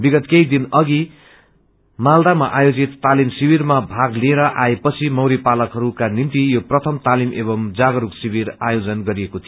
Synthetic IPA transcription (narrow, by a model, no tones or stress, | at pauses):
biɡʌt̪kejd̪inʌɡi | mald̪amaʔajod͡zit̪ːalimsibirmabʱaɡlieɾʌʔaepʌt͡sʰimʌwɾipalʌkɦʌɾukanint̪ijoprʌt̪ʰʌmt̪alimʔebʌmd͡zaɡʌɾuksibirajod͡zʌnɡʌɾiekot̪ʰijo